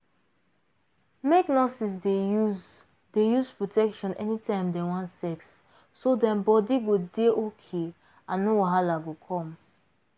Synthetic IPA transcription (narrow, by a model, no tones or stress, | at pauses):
meknɔsis̬deu | dejuzpɹotʰɛkʃɔ̃nɛ̰nitʰãɪ̃mdɛwɔ̃ntsɛksː | odɛ̃mbɔdiɡodeʔokʰe | ãnːowaɦalaɡokʰɔ̃m